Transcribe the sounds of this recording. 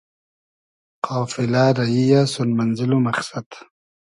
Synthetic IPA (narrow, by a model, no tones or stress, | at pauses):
qaːfilaːɾɐijasunmɐnzilumɐχsad̪